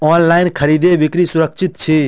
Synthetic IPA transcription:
ɔːnlaːɪnkʰɐɾiːd̪ebɪkɾisʊɾək̚t͡ʃʰɪt̪t͡ʃʰi

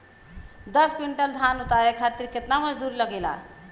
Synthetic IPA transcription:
d̪ʌspiɳʈʌld̪ʱanut̪aɾekʰat̪iɾket̪namʌd͡zd̪uɾlʌɡela̰

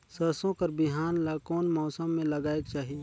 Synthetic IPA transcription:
sɐsõkɐɾbɪɦaːnlakoːnmɔːsəmːẽlɐɡaːekt͡ʃaːɦie

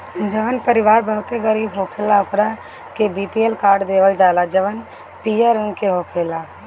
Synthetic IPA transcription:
d͡ʒəʋənpəɾɪʋaːɾbəɦʊt̪eɡəɾiːbɦoːkʰeːlaʊkɾa | kebiːpielkaːɾɖd̪eːʋəld͡ʒaːlad͡ʒɐʋən | piːjaɾənkeɦoːkʰeːlaː

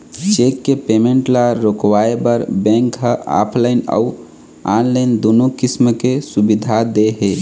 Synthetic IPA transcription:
t͡ʃekːepemẽɳʈlaɾokwaebəɾbɛ̃ŋkɦəa̰ːpʰlaɪnə̰u | aːnlaɪnd̪oːnokismkesubid̪ʱad̪eɦe

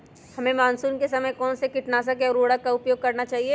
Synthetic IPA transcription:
hɐmẽmaːnsuːnkesɐməjkɔːnsekɪʈnaːsak̬eɔːɾoːɽakaʊpjoːɡ̚kɐɾnat͡ʃaːɦieː

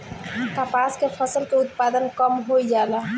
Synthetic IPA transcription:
k̪apaskepʰəsəlkeut̪pad̪ənkəmɦojd͡ʒala

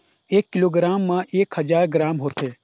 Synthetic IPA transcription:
eːkːɪloːɡɾaːmːãʔeːkhɐzaːɾɡɾaːmɦoːt̪ʰeː

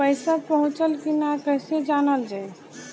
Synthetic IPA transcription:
pəɪsapəɦũt͡ʃəlkinakəɦsed͡ʒanəld͡ʒaj

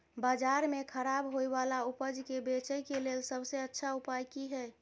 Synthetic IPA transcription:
bad͡ʒaɾmekʰəɾabɦojbalaupəd͡ʒkebet͡ʃəjkelelsəbseətːʃʰaupajkiɦɛ

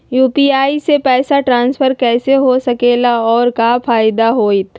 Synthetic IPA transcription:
juːpiaːisepɛːsaʈɾãːnspʰəɾkɛːseɦosɐkeːlaɔːɾkafaːɪd̪aɦoːit̪

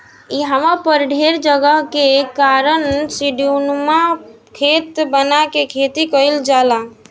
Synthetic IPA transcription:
iɦəməpəɾɖʱeɾd͡ʒəɡəɦkekaɾənsiɖiunma | kʰet̪bənakekʰet̪ikəjld͡ʒala

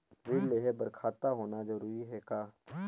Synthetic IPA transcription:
ɾɪleɦɛbəɾkʰaːt̪aɦoːnad͡ʒɐɾuːiɦɛkaː

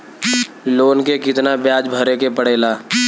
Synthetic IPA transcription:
loːnkekɪt̪nabjaːd͡ʒbʱəɾekepəɽ̤eːlaː

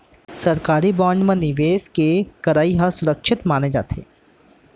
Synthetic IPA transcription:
sɐɾkaːɾibɔ̃ːnd͡ʒmẽnɪʋeːskekɐɾaːiɦasʊɾəkʃɪt̪maːned͡ʒa̰ːt̪ʰḛː

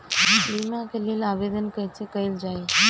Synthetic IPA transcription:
limãkʰelilaʋed̪ənkət͡ʃʰekəild͡ʒaj

